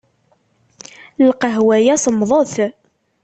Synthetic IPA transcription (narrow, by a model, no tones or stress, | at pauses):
lqəɦwæjæsəmðˤəθ